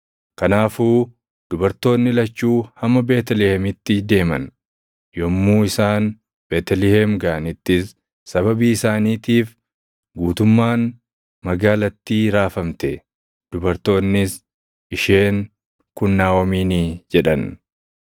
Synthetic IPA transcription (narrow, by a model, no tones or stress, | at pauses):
kɐnaːfuː | d̪̥ʊbɐɾt̪o̞ːnːɪlɐt͡ʃːuːhɐmːɐbeːt̪ɛlɪhɛmɪt̪ːɪd̪e̞ːmɐ̰n | jɔmːuːɪsaːn | beːt̪ɛlɪhɛmɡɐɐnɪt̪ːɪsː | ɐbɐbiːɪsaːniːt̪iːf | ɡuːt̪ʊmːaːn | mɐɡaːlɐt̪ːiːɾaːfɐmt̪ɛ | d̪̥ʊbɐɾt̪o̞ːnːɪs | ʔɪʃe̞ːŋ | kʊnːaːwɐmiːnid͡ʒɛᶑɐn